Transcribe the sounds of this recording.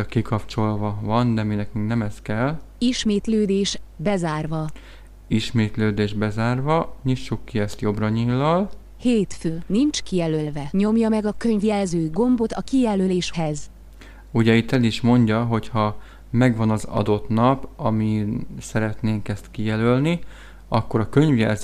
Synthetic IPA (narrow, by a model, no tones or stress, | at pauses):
ɒkikɒpt͡ʃo̞lvɒvɒnd̪ɛminɛkyŋknɛmɛskɛlː | iʃmeːt̪løːd̪eːʃbɛzaːrvɒ | iʃmeːt̪løːd̪eːʒbɛzaːrvɒɲiʃːukːiɛst̪jo̞brɒɲilːɒl | heːt̪føːnint͡ʃkijɛlølvɛɲo̞mjɒmɛɡɒkø̞ɲvjɛlzøːɡo̞mbo̞t̪ɒkijɛløleːʃhɛz | uɟɛit̪ːɛliʃmo̞ɲɟɒɦo̞chɒ | mɛɡʋɒnɒzɒ̰d̪o̞t̪nɒpɒmisɛɾɛt̪neːŋkɛst̪kijɛlølni | ɒkːo̞ɾɒkø̞ɲvjɛ̰lz